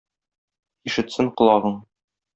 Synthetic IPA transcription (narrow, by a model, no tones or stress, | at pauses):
iʃɘ̆t̪sɘɴqŏlˠɑʁɤɴ